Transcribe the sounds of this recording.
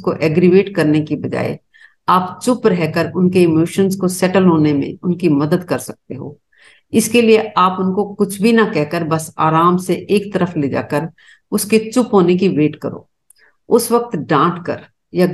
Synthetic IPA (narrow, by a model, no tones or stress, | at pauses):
koʔɛːɡɾiʋeːʈkɐɾnekibɐd͡ʒa̰ːḛ | aːpt͡ʃʊpɾɛɦkəɾʊnkeɪmoːʃənzkosɛʈəlɦoːnemḛ̃ʊnkimɐd̪əd̪kɐɾsɐk̚t̪eɦo̰ː | ɪskelieʔaːpʊnkokʊt͡ʃʰbʱinɐkɛɦkəɾbɐsa̰ːɾaːmseʔeːkt̪ɐɾəfleːd͡ʒa̰ːkəɾ | ʊsket͡ʃʊpɦoːnek̬iʋeːʈkɐɾo̰ː | ʊsʋɐk̚t̪ɖãːʈkɐ̰ɾ | ja